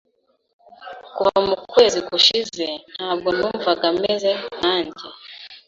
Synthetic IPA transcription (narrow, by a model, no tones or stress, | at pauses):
kuhamukwe̞ːzikuʃizen̥haːbɡo̞n̥uːɱvaɡamezen̥aːɲɟe